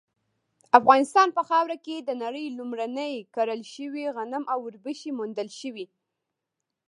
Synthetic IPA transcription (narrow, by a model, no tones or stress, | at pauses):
afɣɑnɪst̪ɑnpəxɑwɾaked̪ənaɽəjlumɾanəjkaɾəlʃəwiɣanəmʔawʊɾbəʃimʊnd̪əlʃəwi